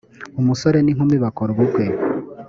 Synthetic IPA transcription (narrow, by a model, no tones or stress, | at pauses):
umusoɾe̞niŋ̥huːmbiβakoɾoβukwe